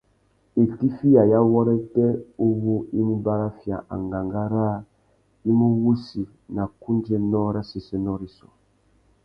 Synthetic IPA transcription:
e˨ti˦fi˦ja˨ja˦wɔ˦ɾɛ˦tɛ˦o˦wu˦i˦mi˦ba˦ɾa˦fja̰˨ʔa̰˨ŋɡa˨ŋɡa˦ɾaː˦ | i˦mu˦wu˦si˨ | na˨ku˦nd͡ʒɛ˦nɔ˦ɾa˦sɛ˨sɛ˦nɔ˦ɾi˨sɔ̰˨

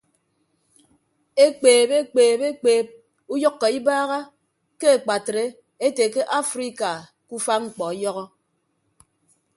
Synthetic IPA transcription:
e˦k͡peː˨be˦k͡peː˨be˦k͡peː˨p̚ | u˦jɔ˦kːɔ˨i˦baː˦ɣa˦ | ke˦e˨k͡pa˨tɾe˦ | e˦te˨ke˦ʔa˦fɾi˦ka˨ | ku˦fa˦ŋ͡m̩˦k͡pɔ˨˦jɔ˦ɣɔ˦

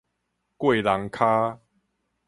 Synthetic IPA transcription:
kwe˥˨la˨˦ŋkʰa˦

